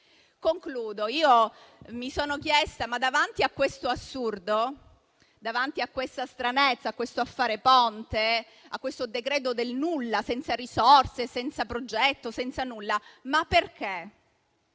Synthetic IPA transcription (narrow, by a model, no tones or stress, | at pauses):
koŋkluːd̪oiːomisoːnok̟jɛst̪amad̪avant̪iakːwest̪oasːurd̪o | d̪avant̪iakːwest̪ast̪ɾanet̪sːakːwest̪oafːaːɾepont̪e | akːwest̪od̪ekɾɛːt̪̬od̪elnulːasɛnt̪saɾisɔrsesɛnt̪sapɾod͡ʒɛt̪ːosɛnt̪sanulːamapːerk̟e